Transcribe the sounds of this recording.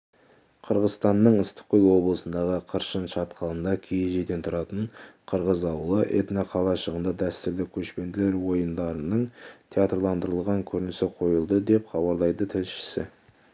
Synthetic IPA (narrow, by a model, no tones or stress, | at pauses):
qʰəɾʁəzst̪ɑnːəɴəst̪ʏ̥kʲɪlˠwo̞blˠəsənd̪ɑʁəqʰəɾʃənʃɑt̪qʰɑlˠənd̪ɑkʲʰejeʒed̪e̞nt̪ʰʊɾɑt̪əɴqʰəɾʁəzɑwəlˠəʔḛt̪nɑqʰɑlˠɑʃəʁənd̪ɑd̪æst̪ɪɾlɪkʲʰɵʃpe̞nd̪ɪle̞ɾwo̞jənd̪ɑɾənəɴt̪ʰeat̪rlˠɑnd̪əɾəlˠʁɑŋkʲʰɵɾɪnɪsɪqʰo̞jəlˠd̪əd̪e̞pχɑβɑɾlˠɑjd̪ət̪ʰɪlʃɪ̥sɪ̰